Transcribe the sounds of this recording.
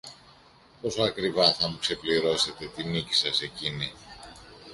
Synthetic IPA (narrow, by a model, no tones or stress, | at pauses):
po̞soɐkɾivɐθɐmukse̞pliɾo̞se̞t̪e̞t̪inici̥sɐse̞cini